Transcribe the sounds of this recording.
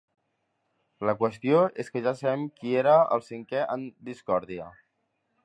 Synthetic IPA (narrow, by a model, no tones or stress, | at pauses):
ləkwəst̪joeskəʒasəβɛmkieɾəə̰lˠsiŋkɛʔənd̪iskɔɾðiə̰